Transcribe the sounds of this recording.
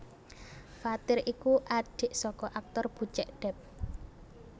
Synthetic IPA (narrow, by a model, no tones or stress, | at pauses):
fat̪ɪɾikuʔaɖ̥e̤ʔsɔkɔʔak̚t̪ɔrb̥ṳt͡ʃɛʔɖ̥ɛp̚